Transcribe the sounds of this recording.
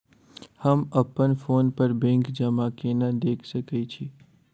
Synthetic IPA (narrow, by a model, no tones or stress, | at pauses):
hɐmɐpənfoːnpɐɾbɛ̃ːŋkd͡ʒɐmakenad̪eːkʰsɐket͡ʃʰiː